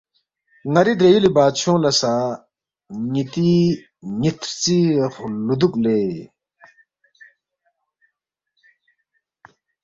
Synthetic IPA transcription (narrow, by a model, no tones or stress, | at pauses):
ŋaɾid̪ejilibat͡ɕʰoŋlasa | ŋit̪i | ɲit̪ʰt͡siχlud̪uk̚le